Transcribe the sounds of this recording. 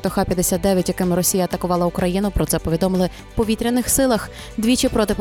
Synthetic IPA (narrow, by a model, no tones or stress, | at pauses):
t̪ɔxɑpʲjɐd̪esʲat̪̚d̪ɛʋʲjɐtʲjɐkɪmɪɾɔsʲijɐt̪ɐkʊʋɑlˠɐʊkɾɐjinɐpɾɔt̪sɛpɔʋʲid̪ɔmɪlˠɪ | pɔʋʲit̪ʲɾʲɪnːɪxsɪlˠɐx | d̪ʲʋʲit͡ʃɪpɾɔt̪ɪp